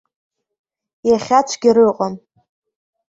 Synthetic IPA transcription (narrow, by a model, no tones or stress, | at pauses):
jaχʲat͡ʃʷʰɡʲiɾɨqʼan